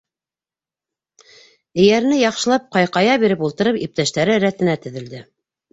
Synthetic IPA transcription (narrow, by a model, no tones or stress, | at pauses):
ɘ̆jæɾ̆nɘjɑqʃɤ̆lˠɑp̚qɑjqɑjɑβiɾɘpulˠt̪ɤ̆ɾɤpip̚t̪æʃt̪æɾɘɾæt̪ɘ̆næt̪ɵ̆ðɘ̆ld̪ɘ